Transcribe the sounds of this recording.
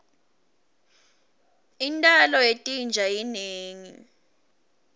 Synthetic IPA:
intʼalɔetʼind͡ʒʱajineːŋi

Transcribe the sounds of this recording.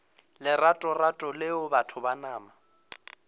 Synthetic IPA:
lɪratʼɔratʼɔlɪʊbatʰʊbanaːma

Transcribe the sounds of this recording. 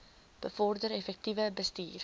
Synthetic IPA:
b̥əfɔrdəɾɛfɛk̚tivəbəstḭːr

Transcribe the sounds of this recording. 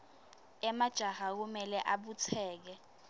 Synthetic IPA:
ɛmad̥ʒ̥ʱahak̬umɛlɛʔaɓut͡sʰɛːk̬ɛ

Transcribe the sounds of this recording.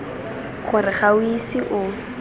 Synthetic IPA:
χʊrɪχawisiʔʊ

